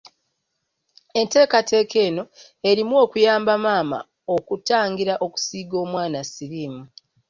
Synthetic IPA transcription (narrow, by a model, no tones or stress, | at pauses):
e̞nte̞ːkatʰe̞ːkʰe̞ːno̞ | e̞ɾimwo̞ːkujaːmbamaːma̰ | okutaːŋɡiɾaʔo̞ku̥siːɡo̞ːmwaːnasiɾiːmu